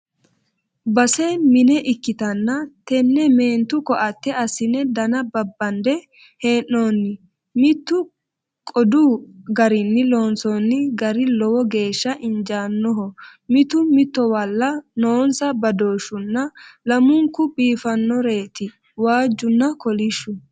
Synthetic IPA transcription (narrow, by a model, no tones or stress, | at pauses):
bɐsemɪnɛʔɪkːɪt̪ɐnːɐt̪ɛnːɛmeːnt̪ʊkɔʔɐt̪ːɛɐsɪnɛd̪ɐnɐbɐbːɐnd̪ɛ | heːnːoːnːɪ | mɪt̪ːʊ | kʼɔd̪uːɡɐɾɪnːɪlo̞ːnsɔːnːɪɡɐɾɪlɔwɔɡe̞ːʃːɐʔɪnd͡ʒaːnːɔɦɔmɪt̪ʊmɪt̪ːɔwɐlːɐnoːnsɐbɐd̪o̞ːʃʊnːɐlɐmʊŋkːʊbiːfɐnːɔɾe̞ːt̪ɪ | waːd͡ʒːʊnːɐkɔlɪʃːʊ